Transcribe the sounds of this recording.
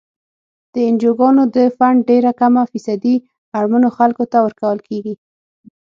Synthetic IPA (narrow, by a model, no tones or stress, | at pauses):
d̪̥əɪnd͡ʒoɡɑnod̪əfaɳɖɖeɾakamafisad̪i | aɾmanoxalkot̪awəɾkawəlkeɡi